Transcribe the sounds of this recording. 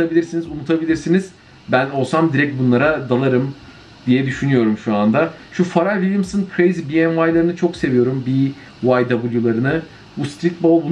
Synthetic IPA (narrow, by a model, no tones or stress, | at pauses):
abilʲiɾsinizunut̪ʰabilʲiɾsiniz̥ | bæno̞lˠsamd̪iɾɛc̚t̪̚bunlˠaɾad̪alˠaɾɯm | d̪̥ijɛd̪yʃynyjo̞ɾumʃuand̪aʃufaɾavilʲamsɯnkʰɾejzibiɛnvajlˠaɾɯnɯt͡ʃʰo̞kse̞vijo̞ɾumbi | vajd̪abulʲˠjulˠaɾɯnɯ | bust̪ʰit̪̚bolˠbu